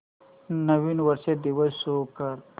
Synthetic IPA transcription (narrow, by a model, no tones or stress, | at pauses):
nɐwinwɐɾsed̪iwɐsokaɾ